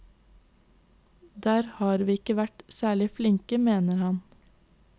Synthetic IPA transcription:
d̪æːɾhɑːɾʋiːɪkəʋæʈsæːɭɪflɪŋkəmeːnəɾhɑn

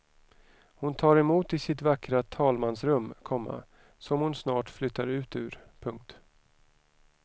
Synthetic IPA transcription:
hʊnt̪ʰɑːɾɛmuːt̪ɪsɪt̪vakɾat̪ʰɑːlmansɾɵmːkʰɔmːa̰ | sɔmhʊnsnɑːʈflʏt̪ːaɾʉ̟ːt̪ʉ̟̰ːɾpʰɵŋk̚t̪

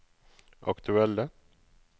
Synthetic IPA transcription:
ʔa̰kt̪ʰʉɛlːə

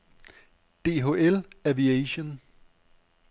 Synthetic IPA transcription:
d̥e̝ːɦo̝ːelæʋiæɕon

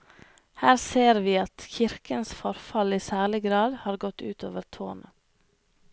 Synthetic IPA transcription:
hæːɾseːɾʋiːɑt̪çɪɾkənsfɔɾfɑliːsæːɭɪɡɾɑːd̪hɑːɾɡɔt̪ʉːt̪ʰo̰ːʋəɾt̪ʰo̰ːnə

